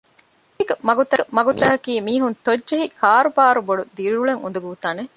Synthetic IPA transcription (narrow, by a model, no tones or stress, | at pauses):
ikɐmɐɡut̪ɐmɐɡut̪ɐɦɐkiːmiːɦunt̪odːʒɐɦikʰaːɾubaːɾuboɖud̪iɾuɭeŋṵnd̪uɡuut̪aːne